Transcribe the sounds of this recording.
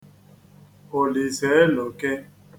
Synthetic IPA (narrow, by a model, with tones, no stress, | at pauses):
o˨li˨se˨˦e˦lo˨ke˦